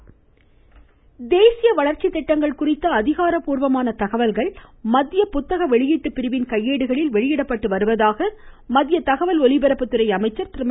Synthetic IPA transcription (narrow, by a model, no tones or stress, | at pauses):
d̪eːsɪjɐʋɐɭɐɾt͡ʃɪt̪ːɛʈːɐŋɡɐɭkʊrɪt̪ːɐːðɪɣaːɾɐpuːɾʋɐmaːnɐt̪ɐɣɐʋɐlɣɐɭmɐðːɪjɐpʊt̪ːɐɣɐʋɛɭɪjiːʈːɯpːɪɾɯʋɪnkɐjːeːɽɯɣɐɭɪlʋɛɭɪjɪɽɐpːɐʈːɯʋɐɾɯʋɐðaːɣɐmɐðɪjɐt̪ɐɣɐʋɐlɔɭɪbɛɾɐpːɯt̪ːɯɾɐɪɐmɐɪt͡ʃːɐɾt̪ɪɾm